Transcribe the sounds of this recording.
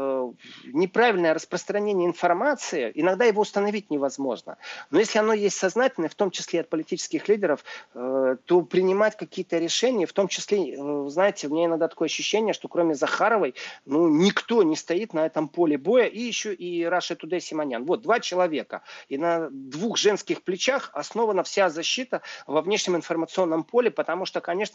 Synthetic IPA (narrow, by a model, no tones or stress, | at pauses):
nʲɪpɾavʲɪlʲnəjəɾəspɾəst̪ɾɐnʲenʲɪəɪnfɐrmat̪sɨɪʔɪnɐɡd̪ajɪvo̞ʊst̪ənɐvʲit̚ʲnʲɪvɐzmo̞ʐnə̰no̞jesʲlʲɪɐno̞jesʲtʲsɐznatʲɪlʲnəft̪o̞mt͡ɕɪ̥sʲlʲeɐt̪̚pəlʲɪtʲit͡ɕɪ̥skʲɪxlʲidʲɪɾəf | t̪o̞pɾʲɪnʲɪmatʲkɐkʲijət̪əɾʲɪʂɛnʲɪjəft̪o̞mt͡ɕɪsʲlʲeɨznajɪtʲɪʊmʲɪnʲaɪnɐɡ̚d̪at̪ɐ̥ko̞jəɐɕːʉɕːenʲɪjəʂt̪o̞kɾo̞mʲɪzɐxaɾəvəjnunʲɪkt̪o̞nʲɪst̪ɐit̪nɐɛt̪əmpo̞lʲɪbo̞jəʔijɪɕːoʔiɾaʂɨt̪ʊd̪ɛsʲɪmɐnʲa̰nvo̞t̪̚d̪vat͡ɕɪlˠɐvʲe̞kə̰inɐd̪vuxʐɛnskʲɪxplʲɪt͡ɕaxɐsno̞vənəfsʲazɐɕːit̪əvɐvnʲe̞ʂnʲɪmɪnfərmət̪sɨo̞nːəmpʰo̞lʲɪpət̪ɐmuʂt̪okɐnʲe̞ʂnə